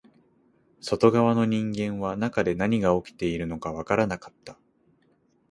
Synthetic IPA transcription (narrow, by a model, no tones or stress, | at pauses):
so̞t̪o̞ɡaβano̞ɲ̟ĩŋɡẽ̞ɰ̃βanakad̪e̞naɲ̟iɡao̞kʲi̥t̪e̞iɾɯ̟no̞kaβakaɾanakḁt̪ːḁ